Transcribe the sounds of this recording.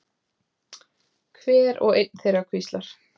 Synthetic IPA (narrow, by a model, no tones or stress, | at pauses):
kʰvɛːɾɔ̰ɣejt̪nθejɾakʰvist̪laɾ̥